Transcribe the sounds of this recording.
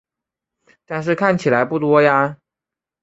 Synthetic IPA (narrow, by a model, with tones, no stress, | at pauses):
t̪a˥˧nʂ̬ɻ̩˥˧kʰa˥˩nt͡ɕʰi˨˩la˧˦ɪpu˥˩t̪wɔ˥ja˧